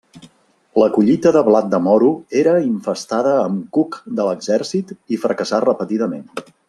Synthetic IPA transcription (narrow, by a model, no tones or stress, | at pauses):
ləkuʎit̪əðəβlat̪̚d̪əmɔɾueɾəiɱfəst̪aðəːmkukd̪ələɡzɛrsit̪ifɾəkəsarəpət̪iðəmen